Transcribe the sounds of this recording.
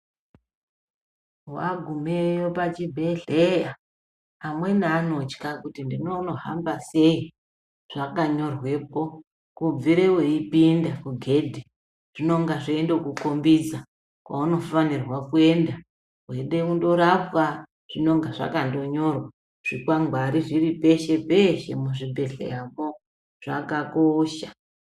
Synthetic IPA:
wa̰ɡʱumejopat͡ʃibʱeɮejaː | mwe̞naːno̞t͡ʃkakutindino̞no̞ɦa̰mbase̞i | ʐ̥akaɲo̞rwe̞po̞ | kub͡viɾeweipindakuɡʱe̞dʱi | ʐ̥ino̞ŋɡaʐoendekukombid͡za | kwʔa̰uno̞fanirwakue̞nda | ɦwe̞ɗe̞undo̞ɾapa | ʐ̥ino̞ŋɡaʐa̰kando̞ɲo̞rwa | ʐ̥ikwaŋɡʱwaɾiʐiripe̞ʃe̞pe̞ʃe̞̰muʐibʱe̞ɬḛjamo | ʐ̥a̰kakoːʃa

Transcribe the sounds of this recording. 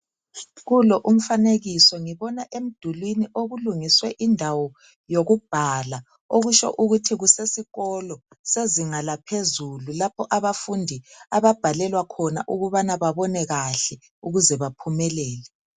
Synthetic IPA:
ɣulɔʔum̩faneɣisɔŋiβɔnaʔem̩d̥ʱulwiniʔoɣuluŋiswɛʔindʱawɔ | joɣub̥ʱala | oɣut͡ʃɔ̰ʔuɣutʰiɣusesiɣɔlɔ | seziŋalapʰezululapʰɔʔaβafundʱiaβab̥ʱalɛlwakʰɔna̰ʔuɣuβanaβaβɔnɛɣaɬɛ | uɣuzɛβapʰumɛlɛːlɛ

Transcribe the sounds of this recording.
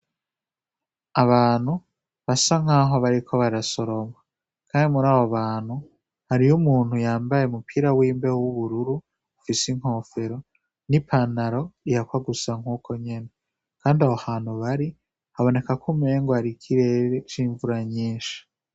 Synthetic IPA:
aβaːn̥hu | βasaŋ̥aːɦo̞βaɾikʰo̞βaɾaso̞ɾo̞ma | kʰaːndimuɾaːβoβaːn̥hu | haɾijumuːn̥hujaːmbajeumupʰiːɾawiːmbe̞wuβuɾuɾuː | fisiŋ̥ho̞ːfe̞ɾo̞ | nipʰanaɾo̞ijakwaɡusaŋ̥uːkʰo̞ɲe̞ne̞ | kaːndiahohaːn̥huβaɾi | haβo̞ne̞kakʰume̞ːŋɡoaɾikʰiɾe̞ɾet͡ʃiːɱvuɾaɲiːʃḁ

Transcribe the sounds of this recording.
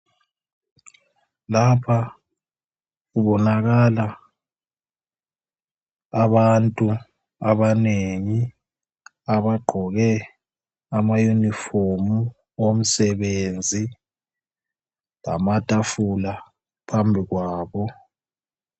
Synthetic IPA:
lapʰa | ɣuβɔnaɣala | aβantʼu | aβaneŋi | aβaɡ͡ǃʱɔɣɛ | amajunifomu | om̩sɛβend͡zʱi | la̰matʼafula | pʰambʱiɣwaːβɔ

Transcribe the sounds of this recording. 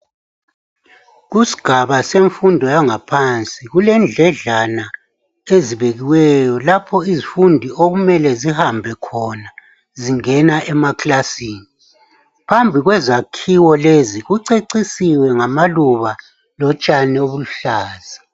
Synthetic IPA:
ɣusi̥ɡ̥ʱaβaseɱfundʱɔjaŋapʰant͡sʼiɣulɛnd͡ɮʱɛɮana | eziβeɣiwɛjɔlapʰɔizifundʱiʔoɣumɛlɛzihambʱɛkʰɔna | ziŋɛnaʔɛmakʰʼlasiːni | pʰambʱiɣwɛzakʰiwɔleziɣuǀeǀisiwɛŋamaluβa | lɔt͡ʃʼanɛoβuluɬaːz̥a

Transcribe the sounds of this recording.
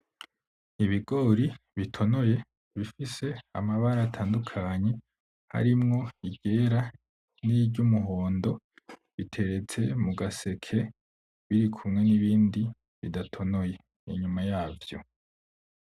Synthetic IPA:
iβiɡo̞ɾiβitʰo̞no̞je̞ | βifise̞a̰maβaɾatʰaːndukʰaɲe̞ | ha̰ɾimŋo̞iɟe̞ːɾa | nibɟumuɦo̞ːndo̞ | βitʰe̞ɾe̞t͡se̞muɡase̞kʰe̞ | βiɾikʰumŋe̞niβiːndi | βḭdatʰo̞no̞je̞ | ḭɲumajaːvjo̞̰

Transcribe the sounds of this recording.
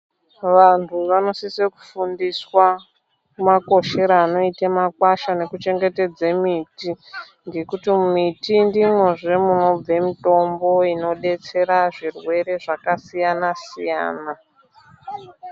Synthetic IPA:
ʋantʰuʋano̞siseku̥fundiswa | umako̞ʃe̞ɾaːno̞itamakwaʃane̞kut͡ʃe̞ŋɡe̞te̞d͡zemiti | ŋɡe̞kutimmitindimweʐemuno̞b͡ve̞mito̞mbo̞ino̞ɗe̞t͡se̞ɾaʐirwe̞ɾe̞ʐakasijanasija̰ːna

